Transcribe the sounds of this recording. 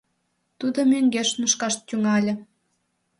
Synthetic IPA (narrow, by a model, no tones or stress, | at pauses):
t̪ud̪omøŋɡeʃməʃkɑʃt̪ʲyŋɑlʲə̆